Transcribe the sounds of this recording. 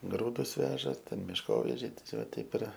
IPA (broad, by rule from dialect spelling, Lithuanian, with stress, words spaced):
ˈɡruːdʊs ˈʋʲæːʒɐ ˈtʲɛn mʲɪʃˈkoːʋʲɛʒʲɛɪ tʲiɛˈsʲoː ˈtʲɛɪp ɪr